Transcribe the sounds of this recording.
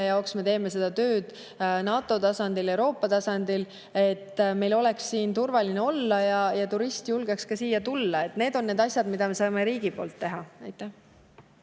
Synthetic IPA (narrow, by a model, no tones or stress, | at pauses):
jɑoksme̞t̪e̞ːme̞se̞d̪̥ɑt̪ø̞ːd̪̥ | nɑːt̪ːˑo̞t̪ɑsɑnd̪̥ile̞wɾo̞ːpːˑɑt̪ɑsɑnd̪̥il | e̞t̪ːme̞jlo̞le̞ksːiːnt̪urvɑlineo̞lːɑjɑjɑt̪uɾist̪julɡ̥e̞kskɑsiːjɑt̪ulːɑe̞t̪ne̞ːd̪o̞nːe̞ːd̪ɑsʲjɑd̪̥mid̪ɑme̞sɑːme̞ɾiːɡ̥ipo̞̰ːlt̪ːe̞ɦɑɑjt̪ːˑæh